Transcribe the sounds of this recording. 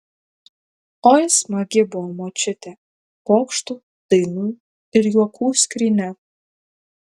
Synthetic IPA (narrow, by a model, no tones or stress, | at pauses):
ɔjsmɐɡʲɪbʊɔmɔt͡ʃʲɪt̪ʲɛ | pɔːkʃt̪u | t̪ɨnu | ɪɾjuɔkʰuːsʲkɾʲinʲɛ